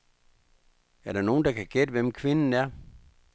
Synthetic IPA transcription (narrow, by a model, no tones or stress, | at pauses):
æɐɾ̥ɑ̈no̝ːn̩d̥ɑ̈kʰæɡ̥ed̥əʋem̰kʰʋe̝nn̩æɐ̰